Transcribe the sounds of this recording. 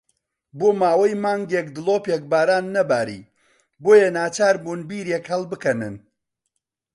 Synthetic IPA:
boːmaːwɐjmaːŋɡekd̪ɨlˠoːpek̚baːɾaːnːɐbaːɾḭː | boːjɐnaːt͡ʃaːɾbuːnbiːɾekhɐlˠbɨkɐnɨ̰n

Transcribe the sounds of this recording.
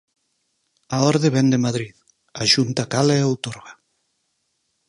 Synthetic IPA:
aoɾðeβɛnd̪emaðɾið | aʃunt̪akalaeowt̪oɾɣa

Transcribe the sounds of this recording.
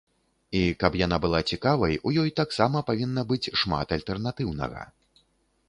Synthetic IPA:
ikɐpjanabɨlˠat͡sʲikavɐjujɔjt̪aksamɐpavʲinːɐbɨt͡sʲʂma̰t̪ɐlʲt̪ɛrnat̪ɨwnɐ̰ɣɐ̰

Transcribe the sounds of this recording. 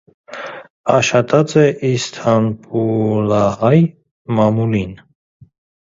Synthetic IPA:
ɑʃχɑt̪ʰʼɑt͡sɛʔist̪ʰɑnpulɑhɑj | mɑmulin

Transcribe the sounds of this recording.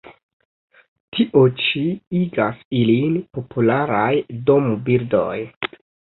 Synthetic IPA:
tʰiʔo̞t͡ʃiiɡasilinpo̞pʰulaɾajdo̞mubiɾdo̞̰j

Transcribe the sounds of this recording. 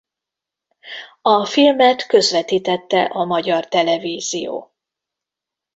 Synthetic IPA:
ɒfilmɛt̪kø̞zʋɛt̪iːt̪ɛt̪ːɛ̰ʔɒmɒɟɒrt̪ɛlɛviːzijo̰ː

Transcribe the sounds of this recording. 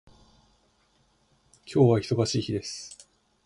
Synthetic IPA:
kʲʰo̞ːβaçi̥so̞ɡaɕiːçid̪e̞sɨ̥

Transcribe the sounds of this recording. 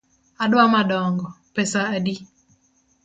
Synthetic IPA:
adwamadɔŋɡɔ | pɛsaːdi

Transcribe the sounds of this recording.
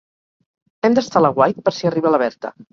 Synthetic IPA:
ɛmd̪əst̪alaɣwajt̪̚pəɾsiəriβələβ̞ɛɾt̪ə̰

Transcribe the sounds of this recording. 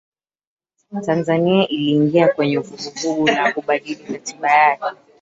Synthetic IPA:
tanzaniaʔiliːŋɡiakwɛɲɛuvuɡuvuɡunakuɓaɗilimatiɓajakɛɛ

